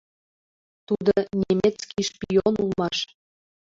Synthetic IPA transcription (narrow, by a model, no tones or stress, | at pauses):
t̪ud̪onʲemʲet͡skiʃpijonulˠmɑʃ